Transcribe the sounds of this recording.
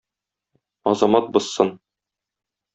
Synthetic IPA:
ɒzɑmɑt̪̚bɤ̆sːɤn

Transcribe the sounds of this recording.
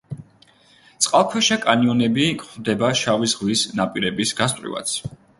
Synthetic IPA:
t̪sʼqʼalˠkʰwɛʃakʼaniɔnɛbikʼχvd̪ɛbaʃavizʁwisnapʼiɾɛbisɡast̪ʼwḭva̰t̪sʰ

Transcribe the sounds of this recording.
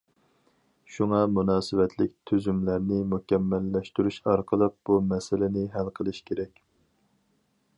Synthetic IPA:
ʃuŋɑmunɑːsɪvɛt̪ʰlɪk̚ʲt̪ʰyzymlæɾnɪmukʲɛmːɛlːɛʃt̪yɾyʃɑɾqʰəlˠəq̚b̥umɛsɪlɪnɪɦælqʰəlˠɨʃkʲʰeɾɛkʲ

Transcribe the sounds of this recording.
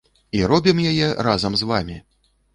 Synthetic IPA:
iɾɔbʲimjajɛɾazɐmzvamʲi

